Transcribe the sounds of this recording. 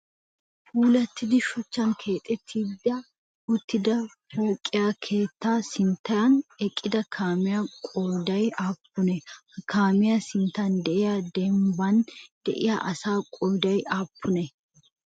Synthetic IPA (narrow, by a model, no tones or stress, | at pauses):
fuːlɐt̪ːɪd̪ɪʃɔt͡ʃːɐnkʰe̞ːt̪ʼɛt̪ʰːid̪ɐ | ʊt̪ːɪd̪ɐ | foːkʼːɪjaːkʰe̞ːt̪ːaːsɪnt̪ːɐjɐnɛkʼːɪd̪ɐkʰaːmɪjakʼɔjd̪ɐjaːpːʊnɛkaːmɪjasɪnt̪and̪ɛʔɪjad̪ɛmbɐnd̪̥ɛ̰ʔɪja̰ʔɐsaːkʼɔjd̪ɐjaːpːʊnɛ